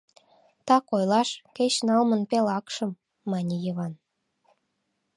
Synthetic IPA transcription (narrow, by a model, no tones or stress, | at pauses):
t̪ɑkojlɑʃket͡ɕnɑlmənpelɑkʃəmː | ɑnʲijəβɑn